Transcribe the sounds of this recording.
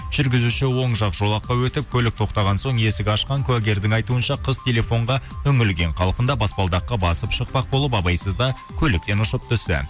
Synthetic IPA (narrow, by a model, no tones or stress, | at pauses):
ʒ̥ʏɾɡʲɪzuʃɪwo̞ɴʒɑqʒ̥o̞lˠɑqːɑwɵt̪ɪp̚kʲʰɵlɪk̚t̪ʰo̞qt̪ɑʁɑnso̞ɴe̞sɪɡʲɑʃqɑŋkʲʰʊæɡʲe̞ɾd̪ɪŋɑjt̪uənʃɑqʰəzt̪ʰe̞le̞fo̞ɴʁɑɵŋɪlɡʲe̞ɴqʰɑlˠqənd̪ɑbɑspɑlˠd̪ɑqːɑbɑsəpʃəq̚pɑq̚bo̞lˠəp̬ɑbɑjsəzd̪ɑ | kʲʰɵlɪk̚t̪e̞nʊʃəp̚t̪ʰʏsɪ̰